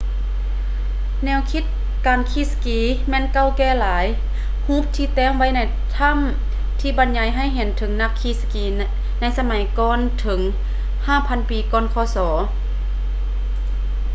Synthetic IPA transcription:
nɛː˧˩˨wkʰi˧˥t̪̚ | kaː˨nkʰi˧˥˩skiː˨˧˦ | mɛː˧˨nka˧˨wkɛː˧˩˨laː˨˦j | huː˧˥p̚t̪ʰiː˧˨t̪ɛː˧˥˨ŋʋa˧˥˨jna˧˩j | t̪ʰa˧˥˨m | t̪ʰiː˧˩ba˨˧˦nɲa˨˧˦jɦa˧˩˨jɦe˨˩˦nt̪ʰɤ˩˦ŋna˧˥kʰːiː˧˩skiː˨˩ | na˧˥˨jsa˧ma˨˩˦jkɔː˧˥˨nt̪ʰɤ˨˩˦ŋ | haː˧˥˨pʰa˧˥˨npiː˨˩kɔː˧˥˨nkʰɔː˧˩sɔː˩˦

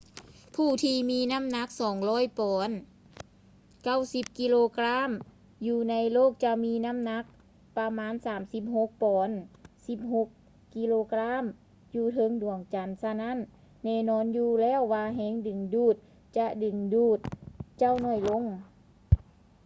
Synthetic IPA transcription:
pʰuː˧˩t̪ʰiː˧miː˧˥na˧˥˨mna˧˥k̚sɔː˨˩˦ŋlɔː˧˥˩jpɔː˨˩˦n | ka˧˥˩wsi˧˦p̚ki˧˥loː˧kla˧˥˨m | juː˧na˧˥jloː˥˨˩k̚t͡ɕa˧miː˧˥na˧˥˨mna˧˥k̚ | pa˧maː˧˥˨nsaː˨˩˦msi˧˦p̚ɦo˧˦k̚pɔː˨˦nsi˧˦p̚ɦo˧˦kː | i˧loː˧kla˧˥˨m | juː˧t̪ʰɤ˧˥˨ŋdu˨˩əŋt͡ɕa˨˦nsa˧na˧˥˨nː | ɛː˧˩˨nɔː˧˥njuː˧lɛː˧˥˨wːaː˧ɦɛː˧˥˨ŋdɯ˨˩ŋduː˧˩t̪̚ | t͡ɕa˧ʔdɯ˨˩ŋduː˧˩t̪̚t͡ɕa˧˥˨wnɔ˧˩jlo˧˥˨ŋ

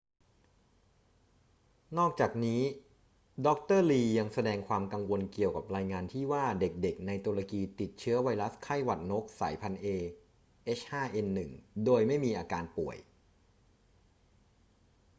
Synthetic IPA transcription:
nɔː˥˩k̚t͡ɕaː˨˩k̚niː˦˥ | dɔ˦˥k̚t̪ɤː˥˩liː˧ja˧ŋsa˧dɛː˧ŋkʰwaː˧mka˧ŋwo˧nki˨˩əwka˨˩p̚ɾaː˧jŋaː˧nt̪ʰiː˥˩waː˥˩de˨˩k̚de˨˩k̚na˧jt̪u˧la˧kiː˧t̪i˨˩t̪̚t͡ɕʰɯ˦˥ɐwa˧jɾa˦˥skʰa˥˩jwa˨˩t̪̚no˦˥k̚sa̰ː˩˦jpʰa˧nʔeː˧ | ʔeː˦˥shaː˥˩ʔe˧nːɯ˨˩ŋdoː˧jma˥˩jmiː˧ʔaː˧kaː˧npu˨˩əj

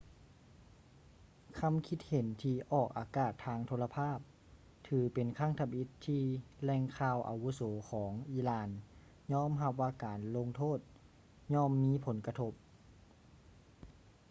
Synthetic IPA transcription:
kʰa˧˥mkʰi˧˥t̪̚he˨˩˦nt̪ʰiː˧ʔɔː˧˨˩k̚ʔaː˨˩kaː˧˩t̪ʰːaː˧ŋt̪ʰoː˧la˧pʰaː˥˩p̚ | t̪ʰɯː˨˦pe˨˩nkʰa˧˥˨ŋt̪ʰa˧mʔi˧˥t̪ʰːiː˧lɛː˧ŋkʰaː˧˩wʔa̰˨wu˧˦sɔː˩˦kʰɔː˩˦ŋʔiː˧˩laː˧˩n | ɲɔː˧˥˨mɦa˧p̚ʋaː˧kaː˨˩nlo˧ŋt̪ʰoː˥˨t̪̚ | ɲɔː˧˥˨mːiː˧˥˨pʰo˨˩˦nka˧t̪ʰo˧˥p̚

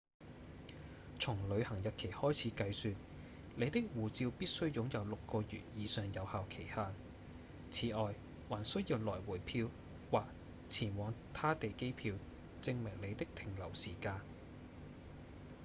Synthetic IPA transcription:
t͡sʰʊ˨˩ŋlɵ˨˧ɥhɐ˨˩ŋjɐ˨t̚kʰe˨˩jhɔː˥jt͡sʰiː˨˥kɐ˧jsyː˧n | le˨˧jt̪ɪ˥k̚wuː˨˩t͡siː˧wpiː˥t̚sɵ˥ɥjʊ˨˥ŋjɐ˨˧wlʊ˨kːɔː˧jyː˨t̚jiː˨˧sœː˨ŋjɐ˨˧whaː˨wkʰe˨˩jhaː˧˩n | t͡sʰiː˨˩ʔɔː˨j | waː˨˩nsɵ˥ɥjiː˧wlɔː˨˩jwuː˨˩jpʰiː˧w | waː˨k̚ | t͡sʰiː˨˩nwɔː˨˧ŋt̪ʰaː˥t̪e˨jke˥jpʰiː˧w | t͡sɪ˧ŋmɪ˨˩ŋle˨˧jt̪ɪ˥k̚t̪ʰɪ˨˩ŋlɐ˨˩wsiː˨˩kaː˧n

